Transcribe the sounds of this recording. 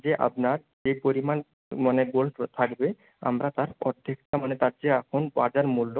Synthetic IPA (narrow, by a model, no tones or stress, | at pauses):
d͡ʑeʔa̰pnaɾ | d͡ʑepoɾiman | maneɡolt̪ʰakbe | a̰mɾat̪aɾɔd̪ʱːekt̪amanet̪aɾd͡ʑeɛkʰonbad͡ʑaɾmulːo